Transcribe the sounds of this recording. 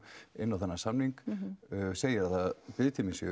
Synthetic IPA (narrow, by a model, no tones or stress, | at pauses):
ɪ̰nːawθɛnːasamniŋkː | seːjɪaθaðpɪðt̪ɪmɪnsj̰